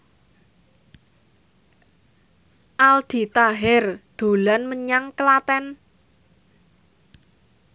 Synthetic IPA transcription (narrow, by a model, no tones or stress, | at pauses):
ʔald̪̥i̤t̪aɦɛrd̪̥o̤lanməɲaŋkəlat̪ɛn